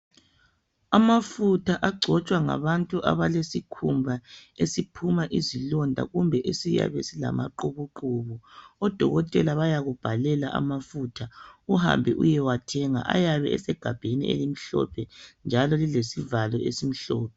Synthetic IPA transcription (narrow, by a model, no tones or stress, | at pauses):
amafutʰaʔaɡ͡ǀʱɔt͡ʃʼwaŋa̰βantʼuʔa̰βalesikʰumbʱaesipʰumaʔizilɔndʱa̰ɣumbʱɛʔesija̰βɛ̰sila̰ma̰ǃuβuǃuβɔɔd̥ʱɔɣɔtʼɛlaβajaɣub̥ʱalɛlaʔa̰mafutʰauɦa̰mbʱɛ̰ʔṵjɛwatʰɛŋa̰ʔa̰jaβɛʔɛsɛɡ̥ʱab̥ʱenḭʔḛlim̩ɬɔ̰pʰɛnd͡ʒʱalɔlilesivalɔʔesim̩ɬɔːp̚ʰɛ